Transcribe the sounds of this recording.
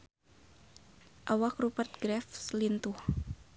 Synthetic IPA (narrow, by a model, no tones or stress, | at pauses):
ʔawakrupərt̪̚ɡɾɛfslint̪uh